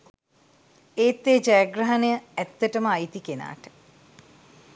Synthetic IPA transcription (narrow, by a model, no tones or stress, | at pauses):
eːt̪ːeːd͡ʒajaɡrɐɦɐnejəɛt̪ːəʈəməajt̪ikena̰ːʈə̥